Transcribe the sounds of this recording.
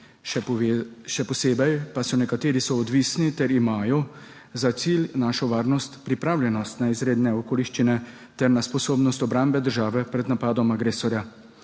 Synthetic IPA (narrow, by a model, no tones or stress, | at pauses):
ʃɛpɔseːbɛjpasɔnɛkat̪eːɾisɔːd̪ʋiːsnit̪ɛɾimaːjɔ | zat̪silnaːʃɔʋaːɾnɔst̪pɾipɾaːwljɛnɔst̪naizɾeːd̪nɛɔkoːliʃt͡ʃinɛ | t̪ɛɾnaspɔsoːbnɔst̪ɔbɾambɛd̪əɾʒaːʋɛpɾɛd̪napaːd̪ɔmaɡɾeːsɔɾja